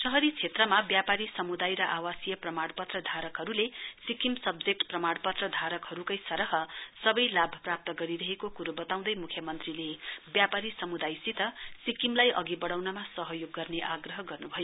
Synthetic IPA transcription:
sʌɦʌɾit͡sʰet̪rʌmabjapaɾisʌmud̪ajɾʌʔawasijʌprʌmaɽpʌt̪rʌd̪ʱaɾʌkɦʌɾulesikimsʌbd͡zek̚ʈprʌmaɽpʌt̪rʌd̪ʱaɾʌkhʌɾukʌjsʌɾʌɦʌsʌbʌjlabʱʌprap̚t̪ʌɡʌɾiɾʌɦekokuɾubʌt̪aw̃nd̪ʌjmukʰjʌmʌnt̪rilebjapaɾisʌmud̪ajsit̪ʌsikimlajʔʌ̰ɡibʌɽawnʌmasʌɦʌjoɡːʌrneʔaɡrʌɦʌɡʌrnubʱʌjo

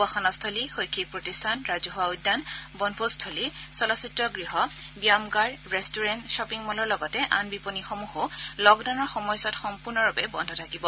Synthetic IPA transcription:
axɔnɔstʰɔlixojkʰːik̚pɹotistʰanɹazɔɦʊwaujdːanbɔnbʱostʰolisɔlɔsitɹɔɡɹiɦɔbijamɡaɹɹɛstuɹɛnʃɔpiŋmɔlɔɹlɔɡɔtɛʔanbiponixomuɦʊlɔɡdawnɔɹxɔmɔjsɔtxɔmpuɹnɔɹɔbɛbɔndʱɔtʰakibɔ

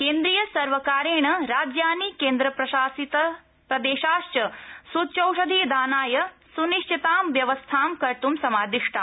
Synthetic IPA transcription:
keːnd̪ɾijɐsɐɾʋɐkaːɾeːɳɐɾaːd͡ʒjaːnikeːnd̪ɾɐpɾɐʃaːsit̪ɐ | pɾɐd̪eːʃaːʃt͡ʃɐsuːt̪t͡ʃɐwʂɐd̪ʱeːd̪aːnaːjɐsuniʂʈʰit̪aːmʋjɐʋɐst̪ʰaːmkɐɾt̪umsɐmaːd̪iʂʈʰɐ

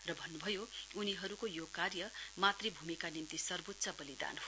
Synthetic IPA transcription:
rʌbʱʌnːubʱʌjouniɦʌɾukojokarjʌmat̪ribʱumikanimt̪isʌrbot̪ːsʌbʌlid̪a̰nɦo

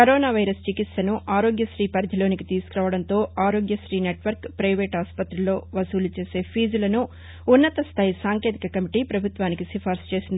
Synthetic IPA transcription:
kɐɾoːnaːʋɐjɾɐst͡ʃikit̪sɐnuʔaːɾo̞ːɡjɐʃɾiːpɐɾd̪ʱɐlo̞ːnikit̪iːsu̥kuɾaːʋɐɽɐnt̪o̞ːaːɾo̞ːɡjɐʃɾiːneːʈʋɐɾkpɾɐjʋeːʈaːspɐt̪ɾilo̞ːʋɐsuːlut͡ʃe̞ːse̞ːpʰiːd͡ʒulɐnuː | nːɐt̪ɐst̪ʰaːjisaːŋkeːt̪ikɐkɐmiʈiːpɾɐbʱut̪ʋaːnikisipʰaːɾst͡ʃe̞ːsind̪ii

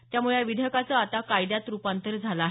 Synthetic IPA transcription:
t̪jamuɭeʋid̪ʱjəkat͡səat̪akajd̪jat̪ɾupant̪əɾd͡zʱalaaːɦ

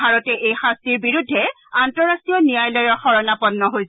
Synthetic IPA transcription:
aɹɔtɛʔejxastiɹbiɹudʱːɛ | antɔɹasiɔnijajlɔjɔɹxɔɹɔnapɔnːɔɦojs

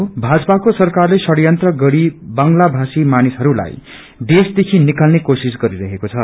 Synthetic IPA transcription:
bʱad͡zʌpakosʌrkarlesʌɽjʌnt̪rʌɡʌɽibʌŋlabʱasimanisʌɾula̰j | d̪esd̪ekʰinikalnekosisɡʌɾiɾʌɦekot͡sʰʌ

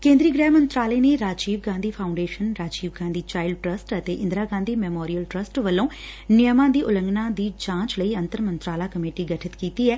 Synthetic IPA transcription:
kẽːnd̪ɾiːɡɾɛːmə̃nt̪ɾaːleːneɾaːd͡ʒiːʋɡãːnd̪iːpʰaːʊ̃ɳɖeːʃənɾaːd͡ʒiːʋɡãːnd̪iːt͡ʃaːɪlɖʈɾəsʈət̪eːʔɪ̃nd̪ɾaːɡãːnd̪iːmɛːmɔːɾijəlʈɾəsʈʋəlːõː | nɪjəmãːd̪iːʔʊlə̃ŋɡnãːd̪iːd͡ʒãːt͡ʃləiːə̃nt̪əɾmə̃nt̪ɾaːlaːkəmeːʈiːɡəʈʰɪt̪kiːt̪iːɛː

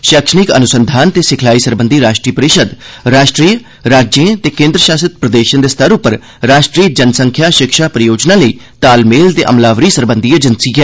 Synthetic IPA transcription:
ʃəkʃənɪkə̰nʊsənd̪ʱaːnt̪eːsɪkʰlaːiːsəɾbə̃nd̪ʱiːɾaːʃʈɾiːpəɾɪʃəd̪ɾaːʃʈɾiː | ɾaːd͡ʒjẽt̪eːkẽːnd̪ɾəʃaːsət̪̚pɾəd̪eːʃə̃nd̪eːst̪ʰəɾʊpːəɾ | ɾaːʃʈɾiːd͡ʒənsəŋkʰjaːʃɪkʃaːpɾəjoːd͡ʒnãːləiː | t̪aːlmeːlt̪eʔə̰mlaːʋɾiːsəɾbənd̪ied͡ʒənsikɛ

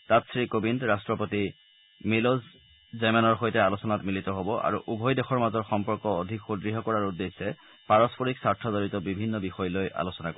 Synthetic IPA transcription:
tatsɹikobintɹastɹɔpoti | miloz | zɛmɛnɔɹxojtɛalusɔnatmilitɔɦobɔʔa̰ɹuʔubʱɔjdexɔɹmazɔɹxɔmpɔɹkɔodʱikxodɹiɦɔkɔɹaɹudesɛ | paɹɔspoɹiksaɹtʰɔzoɹitɔbibʱinːɔbixɔjlojʔa̰lusɔnakɔ

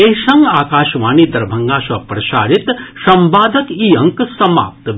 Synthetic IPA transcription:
eʃɐŋɡaːkaːʃʋaːnid̪ɐɾbʱɐŋɡaːʃɐpɾɐʃaːɾit̪sɐmbaːd̪ʱɐkiːɐŋksɐma̰ːp̚t̪

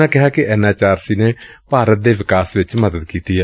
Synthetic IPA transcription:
ãːkɪɦaːkɪʔɛːnaːt͡ʃaːɾsiːneːpaːɾət̪̚d̪eːʋɪkaːsʋɪt͡ʃməd̪əd̪kiːt̪iːɛː

